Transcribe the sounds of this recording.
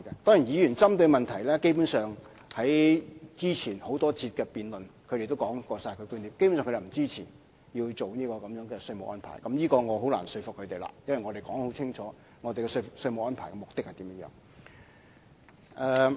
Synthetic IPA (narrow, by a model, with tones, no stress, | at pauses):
kɛ˧t̪ɔː˥ŋi˨˩njiː˨˧jyː˨˩nt͡sɐ˥mt̪ɵ˧ɥmɐ˨nt̪ʰɐ˨˩jlɛː˥ke˥jpu˨˥nsœː˨ŋ | hɐ˨˥jt͡siː˥t͡sʰiː˨˩nho˨˥wt̪ɔː˥t͡sʰiː˧t̚kɛː˧piː˨nlɵ˨˩nkʰɵ˨˧ɾe˨˩t̪o˥wkɔː˨˥ŋkɔː˧saː˧jkʰɵ˨˧kyː˥nli˨˥p̚ke˥pu˧˥sːŋkʰte˨˩m̩˨˩˨t͡siː˥t͡sʰiː˨˩n | ji˧wt͡so˨wniː˥kɔː˧kɐ˨˧mjœː˨˧˥ŋkɛː˧sɵ˧ɥmʊ˨k̚ʔɔː˥npʰa̰ː˨˩jkɐ˨˥mjiː˥kɔː˧ŋɔː˨˧ɦo˨˥wla̰ː˨˩nsɵ˧ɥfʊ˨k̚ʰːɵ˨˧ɥt̪e˨jla̰ː˨jɐ˥nwɐ˨jŋɔː˨˧ɾe˨˩jkɔː˨˥ŋho˨˥wt͡sʰɪ˥ŋt͡ʃʰɔː˨˥ | ŋɔː˨˧t̪e˨jkɛ˧sfksɵ˧ɥmʊ˨k̚ɔː˥npʰaː˨˩kɛ˧mʊ˨k̚t̪ɪ˥k̚hɐ˨˩t̪iː˨˥mjɐ˥jœ̰ː˨˧˥ŋ | ʔɛː˨˧